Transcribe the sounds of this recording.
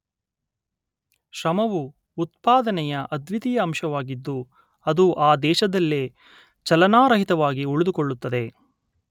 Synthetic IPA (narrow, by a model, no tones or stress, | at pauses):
ʃɾɐmɐʋuː | t̪̚paːd̪ɐnɛjɐʔɐd̪ʋit̪ijɐːmʃɐʋaːɡid̪ːu | ɐd̪uʔaːd̪ɛːʃɐd̪ɐlːe | t͡ʃɐlɐnaːɾɐɦit̪ɐʋaːɡiuɭud̪ukoɭːut̪ːɐd̪e̞